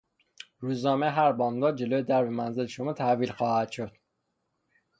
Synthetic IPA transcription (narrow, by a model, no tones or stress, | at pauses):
ɾuːznɒːmeɦæɾbɒːnd̪ɒːd͡ʒe̞loːjed̪æɾvemænzeleʃomɒːt̪ʰæviːlxɒːhæd̪̥ʃod̪̥